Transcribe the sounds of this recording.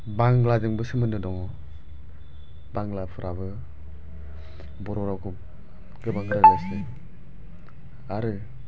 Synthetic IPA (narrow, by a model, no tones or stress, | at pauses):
baŋlad͡ʒɯŋbɯsɯmɯnɯdɔŋɔ | baŋlapʰɯɾʔaβɯ | bɔɾɔɾakʰu | ɡɯbaŋɡɯɾalasɯ | aɾɯ